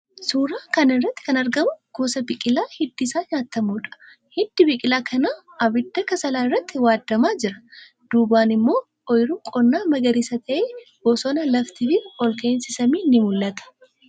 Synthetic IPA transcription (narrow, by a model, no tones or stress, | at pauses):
suːɾaːkɐnɪrːɐt̪ːɪ̥kɐnɐɾɡɐmʊɡ̥oːsɐbɪkʼɪlaːhɪd̪ːɪsaːɲaːt̪ːɐmuːᶑɐ̥ | hɪd̪ːɪbɪkʼɪlaːkʰɐnaː | ɐbɪd̪ːɐkɐsɐlaːɪrːɐt̪ːɪwaːd̪ːɐmaːd͡ʒɪɾɐ | d̪̥uːbaːnɪmːo̞ː | ʔɔjɾuːkʼɔnːaːmɐɡɐɾisɐt̪ʰɐʔeːɡɔsɔnɐlɐft̪ɪfɪɔlkeːnsɪsɐmiːnːɪmʊlːɐt̪ɐ̥